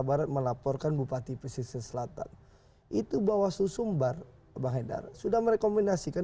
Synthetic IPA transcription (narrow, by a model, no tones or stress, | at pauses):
abaɾat̪̚məlapɔrkanbupat̪ipəsisɛnsəlat̪a̰n | ʔit̪ubawasusumbar | baɦeda̰rsudahməɾekomindasika